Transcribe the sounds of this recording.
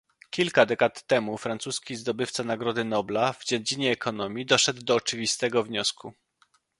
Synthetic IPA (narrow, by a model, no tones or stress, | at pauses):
kʲilkad̪ɛkat̪ːɛmufɾansuskʲizd̪ɔbɘft̪sanaɡɾɔd̪ɘnɔblavd͡ʑɛd͡ʑiɲɛːkʰɔnɔmʲjid̪ɔʂɛd̪ːɔːt͡ʂɘvʲist̪ɛɡɔvɲɔsku